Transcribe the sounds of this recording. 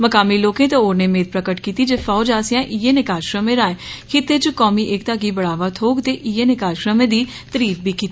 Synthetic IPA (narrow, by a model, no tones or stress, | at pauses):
məkaːmiːloːkẽːt̪ẽoːɾneːmeːt̪̚pɾəkəʈkiːt̪iːd͡ʒeːfʰaːʊd͡ʒaːsɪjãːʔiːeːnɪkaːd͡ʒʃɾəmẽːɾãːẽːkʰɪt̪eːt͡ʃəkɔːmiːʔɪkt̪aːɡiːbəɽaːʋaːt̪ʰoːɡt̪eːʔiːeːnɪkaːd͡ʒʃɾəmẽːd̪iː | t̪əɾiːp̚biːkiːt̪i